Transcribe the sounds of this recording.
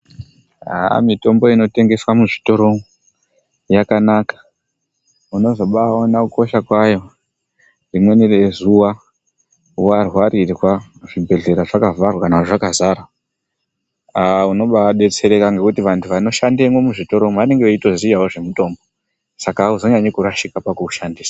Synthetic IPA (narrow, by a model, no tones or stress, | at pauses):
a̰mito̞mbo̞ino̞te̞ŋɡe̞swamuʐito̞ɾo̞mo | jakanaːkḁ | uno̞zo̞ɓaonakuko̞ʃakwajo̞ | rimwe̞nirezuwa | uarwarirwaʐibʱe̞ɮe̞ɾaʐakavarwakanaʐakazara | auno̞ɓaɗe̞t͡se̞ɾe̞kaŋɡekutiʋantʰuʋano̞ʃandemomuʐito̞ɾo̞moane̞ŋɡeoito̞zijawoʐe̞muto̞ːmbo | sakauzo̞ɲaɲekuɾaʃikapakuuʃandiːsḁ